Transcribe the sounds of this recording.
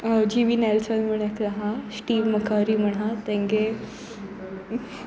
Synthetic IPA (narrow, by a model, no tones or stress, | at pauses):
d͡ʑiʋiːnɛlsənm̤əɳakɾaɦãsʈiːʋməkʰaɾiːm̤əɳɦãt̪ɛ̃ŋɡe